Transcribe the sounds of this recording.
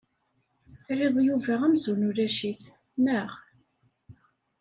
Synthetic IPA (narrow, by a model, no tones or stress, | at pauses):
θɾɪðˤjuvæʁæmzunuɾæʃiθ | mæʁ